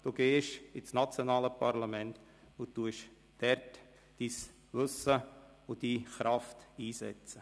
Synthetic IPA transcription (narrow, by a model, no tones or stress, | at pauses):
d̥uːɡ̥eːʃɪsnat͡sjonɑːləpʰaɾlamɛnt | ʊt̪ːuəʃ | d̥ɛɾt | d̥is | ʋʏsə | ʊd̥iːχɾɑftiːsɛ̰t͡sə